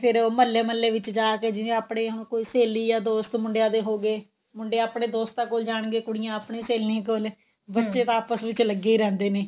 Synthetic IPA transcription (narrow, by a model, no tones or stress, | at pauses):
pʰɪɾoːməlːeːməlːeːʋɪt͡ʃd͡ʒaːkeːd͡ʒɪʋẽaːpɽeːɦʊñkoːiːseːliːjaːd̪oːst̪mʊɳɖejãːd̪eːɦoːɡeː | mʊɳɖeaaːpɽẽːd̪oːst̪ãːkoːld͡ʒaːɳ̃ɡeːkʊɽɪjãːapɳeːseːlnẽːkol | bəːʃeːʋaːpəsʋɪt͡ʃləɡːeːiːɾɛ̃ːnd̪eːneː